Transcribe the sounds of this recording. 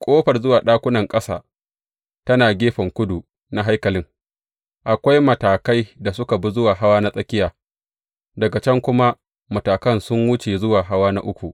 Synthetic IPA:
kʷʼoː˦ɸɐ˨rzʊ˦waː˨ɗaː˦kʷʊ˦nɐ˨ŋkʼɐ˦sa̰ː˨ | tɐ˦naː˨ɡʲeː˦ɸɐ˨ŋkʷʊ˦du˨ | na˦ɦa˦jkɐ˨lɪ˦ŋ | ʔa˨kʷa˦jmɐ˨taː˨ka˦jda˨sʊ˦ka˨bu˦zʊ˦waː˨ɦa˦waː˦na˦sʼɐ˦kʲɪ˦jaː˨ | dɐ˨ɡa˨t͡ʃɛ˦ŋkʷʊ˦ma˦ | mɐ˨taː˨kɐ˦nsʊ˦ŋwʊ˦t͡ʃeː˨zʊ˦waː˨ɦa˦waː˦na˦ʔʊ˦kʷu˨ʔ

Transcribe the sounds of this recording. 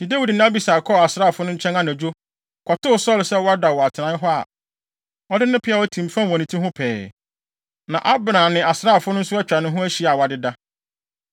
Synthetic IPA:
dĩ˨dæ˦wi˨dnã˦æ˦bi˨saː˨kʰɔ˦a˨sɾaː˦˨fʊ˦nʊ̃˦ɲ̩˦t͡ɕʰɛ̃˦na˦næ̃˨d͡ʑᶣo˦ | kʰɔ˨tʊ˦ʊ˨sɔ˦˨lsɛ˦wɔ˦a˦da˨wɔ˨a˨tʰɪ˨nã˨˦ɦɔ˦a̰˨ | ɔ˦dɪ˦nʊ̃˦pʰɪ˦a˨wɔ˦tʰĩ˨mfã˦wɔ̃˨nĩ˨tʰĩ˦hʊ̃˦pʰɛ̰ː˨ | nã˨ʔa˦bnã˨nɪ̃˨ʔa˨sɾa˦˨fʊ˦nʊ̃˦n̩˦sʊ˦ɛ˦t͡ɕᶣɾa˨nʊ̃˦ɦʊ̃˦æ˦ɕi˨˦˨a˨wa˨dɪ˦da˦

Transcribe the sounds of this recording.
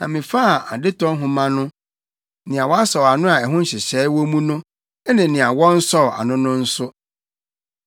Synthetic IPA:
nã˨mɪ̃˨fa˦˨a˨dɪ˦tɔ̃˦ɦʊ̃˨mã˦nʊ̃˦ | nɪ̃˨a˨wɔ˦a˦sɔ˨a˨nʊ̃˦a˨ɛ˨ɦʊ̃˦n̩˦ɕɪ˨ɕɛː˨˦wɔ˦mũ˦nʊ̃˦ | ɛ˦nɪ̃˨nɪ̃˨a˨wɔ̃˦n̩˦sɔ˦˨a̰˨nʊ̃˦nʊ̃˦n̩˦sʊ˦

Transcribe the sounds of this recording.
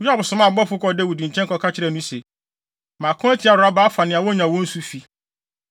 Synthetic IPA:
a˦bʊ˨sʊ˨mã˦˨bɔ˦fʊ˦kɔ˨dɛ˦wu˨dĩ˨ɲ̩˨t͡ɕʰɛ̃˦ŋ˦kʰɔ˨kʰa˦t͡ɕʰɪ˦ɾɛ˦˨nũ˦se˨ | mã˨kʰʊ̃˦æ˦tʰi˦a˨ɾʊ˨a˦ba˦fa˨nɪ̃˨a˨wɔ˦ɲã˨wɔ̃˦n̩˦su˦fi˨

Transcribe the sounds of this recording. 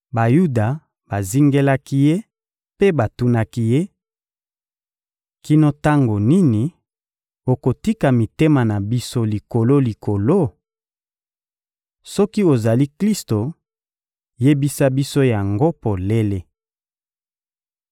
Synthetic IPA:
ba˨ju˦da˨ | b̥a˨zi˦ŋɡe˦la˦ki˦je˦ | pe˦ba˨tu˦na˦ki˦je˦ | ki˦no˦ta˦ŋɡo˨ni˦ni˨ | o˨ko˨ti˦ka˨mi˨te˦ma˨na˨bi˦so˦li˨ko˨lo˦li˨ko˨lo˦ | sɔ˦ki˦o˨za˨li˦kli˦sto˨ | je˦bi˦sa˦bi˦so˦ja˨ŋɡo˦po˨le˦le˦

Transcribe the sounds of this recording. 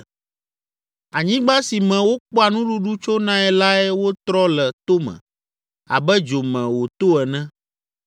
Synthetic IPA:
a˨ɲĩ˦ɡ͡ba˦si˨mɛ̃˨wo˦k͡pɔ˦a˨nũ˦ɖu˦ɖu˦t͡ʃo˦nã˦ɛ˨la˦ɛ˦wo˦t̪ɾɔ˦lɛ˨t̪o˦mɛ̰̃˨ | a̰˨bɛ˦d͡ʒo˨mɛ̃˨wo˨t̪o˦ɛ˨nɛ̃˦

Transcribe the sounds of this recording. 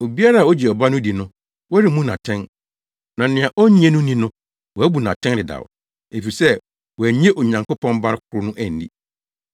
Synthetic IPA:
o˨bi˦a˦ɾa˦˨ɔ˦d͡ʑi˨ɔ˨ba˦nʊ̃˦di˨nʊ̃˦ | wɔ˦æ˦ɾɪ˨mũ˦nã̰˨tʰɛ̃˦n | nã˨nɪ̃˨ã˨ʔɔ˦ɲ˦ɛ̃˦nʊ̃˦nĩ˦nʊ̃˦ | wɔ˨æ˦bu˨nã˨tʰɛ̃˦n˦dɪ˨da̰˨ʊ̰˨ | e˨fi˨i˨sɛ˦ | wɔ˨æ˨ɲ˦ɛ̃˦ʔɔ˨ɲã˨ŋko˦pʰɔ̃˦nba˦ɾɪ˦kʰʊ˦ɾʊ˦nʊ̃˦ʔæ˨n̩˨dḭ˦

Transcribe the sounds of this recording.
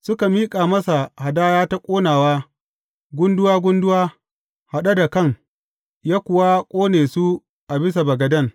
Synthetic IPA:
sʊ˦ka˨miː˦kʼaː˨mɐ˦sa˨ha˨daː˦jaː˦ta˦kʷʼoː˦naː˨waː˦ | ɡʷʊ˦ndʊ˦waː˦ɡʷʊ˦ndʊ˦waː˦ | ha˨ɗa˦da˨kɐ˦˨ŋ | jaː˦kʷʊ˨wa˦kʷʼoː˦neː˨su˦ | ʔa˨bɪ˦s̬a˨bɐ˨ɡɐ˨dɐ˦˨ŋ

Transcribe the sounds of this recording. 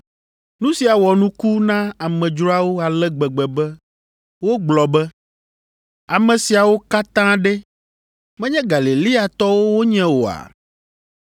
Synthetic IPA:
nũ˦si˨a˨wɔ˨nũ˦ku˦nã˦a˨mɛ̃˨d͡ʒɾɔ˦a˦wo˦a˨lɛ˦ɡ͡bɛ˨ɡ͡bɛ˨bɛ˦ | wo˦ɡ͡blɔ˨bɛ˦ | a˨mɛ̃˨si˨a˨wo˦ka˦t̪ã˦ɖɛ˦ | mɛ̃˦ɲɛ̃˦ɡa˨le˨li˦a˨t̪ɔ˦wo˦wo˦ɲɛ̃˦wo˨a̰˨

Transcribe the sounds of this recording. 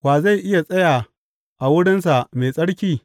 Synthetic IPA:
waː˨za˦˨jʔɪ˦ja˨sʼɐ˦jaː˨ | ʔa˨wʊ˦ɽɪ˦nsa˨meː˨sʼɐ˦ɽkʲiː˦

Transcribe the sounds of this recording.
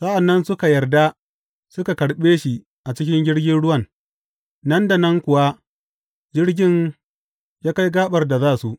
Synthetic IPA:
sɐ˦ʔa˨nːɐ˦nsʊ˦ka˨jɐ˨rda˦ | sʊ˦ka˨kɐ˨ɽɓeː˦ʃi˨ | ʔa˨t͡ʃɪ˦kʲɪ˦ŋɡʲɪ˦ɽɡʲɪ˦nɽʊ˦wɐ˦˨n | nɐ˦nda˨nɐ˦ŋkʷʊ˨wa˦ | d͡ʒɪ˦ɽɡʲɪ˦n | jaː˦ka˦jɡaː˦ɓɐ˨rda˨zaː˦su˨ʔ

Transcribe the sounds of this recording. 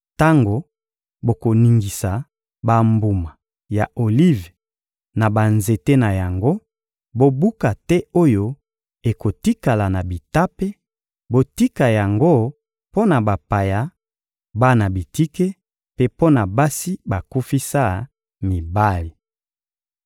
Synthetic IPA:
ta˦ŋɡo˨ | bo˨ko˨ni˨ŋɡi˨sa˨ | ba˨mbu˨ma˨ | ja˨o˨li˦v | na˨ba˨nze˨te˦na˨ja˨ŋɡo˦ | bo˨bu˦ka˨tɛ˦o˦jo˦ | e˨ko˨ti˦ka˨la˨na˨bi˨ta˦pe˦ | bo˨ti˦ka˨ja˨ŋɡo˦ | po˦na˨ba˨pa˨ja˨˦ | ba˦na˨bi˨ti˦ke˦ | pe˦po˦na˨ba˦si˦ba˨ku˦fi˦sa˦ | mi˨ba˦li˨

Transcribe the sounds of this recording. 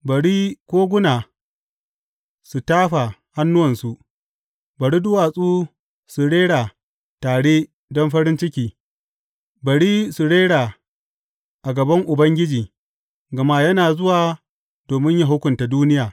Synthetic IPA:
bɐ˨ɽiː˦kʷoː˦ɡʷʊ˦naː˨ | su˨taː˦ɸa˨ha˦nːʊ˦wɐ˨nsu˨ | bɐ˨ɽi˦dʊ˦waː˨sʼuː˦ | su˨ɽeː˦ɽaː˨ | taː˨ɽeː˦ | dɔ˦mɸɐ˦ɾɪ˦nt͡ʃɪ˦kʲiː˨ | bɐ˨ɽiː˦su˨ɽeː˦ɽaː˨ | ʔa˨ɡɐ˨bɐ˦ŋʔʊ˨bɐ˦ŋɡʲɪ˦d͡ʒiː˨ | ɡɐ˨ma˦jɐ˦naː˨zʊ˦waː˨ | doː˨mɪ˦ɲja˦˨ɦʊ˦kʷʊ˨nta˨duː˦nɪ˦jaː˨

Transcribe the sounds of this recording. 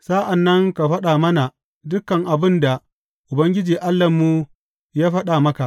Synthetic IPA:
sa˦ʔa˨nːɐ˦ŋka˨ɸɐ˦ɗaː˨mɐ˦na˨ | dʊ˦kːɐ˨ŋʔa˨bɪ˦nda˨ | ʔʊ˨bɐ˦ŋɡʲɪ˦d͡ʒiː˨ʔa˦lːɐ˨mːu˦ | jaː˦ɸɐ˦ɗaː˨mɐ˦ka˨ʔ

